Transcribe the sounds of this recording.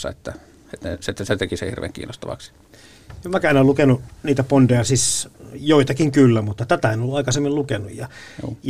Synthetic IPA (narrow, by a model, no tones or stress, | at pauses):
ɑ̰et̪ːæ | et̪net̪ːæset̪ekisḛhirʋḛːŋkḭːnːost̪ɑ̰ʋɑ̰ksi̥ | emʋækææˑinolukenuniːt̪æpondejɑsisjoit̪ɑkiŋkylːæmut̪ːɑt̪æt̪æenolːuɑˑikɑsemːillukenṵjjɑ